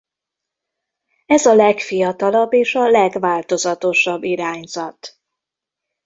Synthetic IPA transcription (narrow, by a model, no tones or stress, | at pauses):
ɛzɒlɛkfijɒt̪ɒlɒbːeːʃɒlɛɡvaːlt̪o̞zɒt̪o̞ʃɒbːiɾaːɲzɒt̪